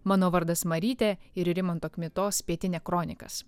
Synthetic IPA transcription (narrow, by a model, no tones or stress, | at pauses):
mɑːnoːʋɐɾd̪ɐsmɐɾʲiːt̪ʲɛɪɾɪɾʲɪmɐnt̪oːkʲmʲɪt̪oːspʲiɛt̪ʲɪnʲɛːkɾɔːnʲɪkɐ̰s